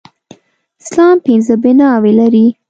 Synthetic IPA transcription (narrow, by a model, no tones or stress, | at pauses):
ɪslɑmpɪnzəbɪnɑwelaɾi